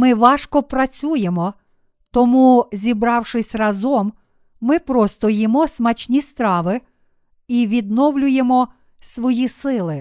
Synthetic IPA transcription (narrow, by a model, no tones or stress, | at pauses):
mɪʋɑʃkɔpɾɐt͡sʲujemɔ | t̪ɔmuzʲibɾɑwʃɪsʲrɐzɔmː | ɪpɾɔst̪ɔjimɔsmɐt͡ʃʲnʲist̪ɾɑʋɪ | iʋʲid̪̚nɔwlʲʊjemɔ | sʋɔjisɪlˠɪ